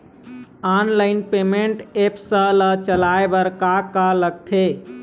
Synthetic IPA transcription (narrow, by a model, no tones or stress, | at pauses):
anlaɪnpemeɳʈepsə̃lət͡ʃəlaebəɾkakaləɡ̚t̪ʰe